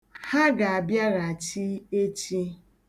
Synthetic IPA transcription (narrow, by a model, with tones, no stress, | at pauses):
ha˦ɡa˨a˨bja˦ɣa˨a˨t͡ʃi˦e˦t͡ʃi˦